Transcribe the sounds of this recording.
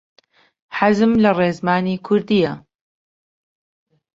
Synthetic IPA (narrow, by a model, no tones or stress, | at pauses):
ħazɨmlɐreːzmaːniːkʰʊɾd̪ijɐ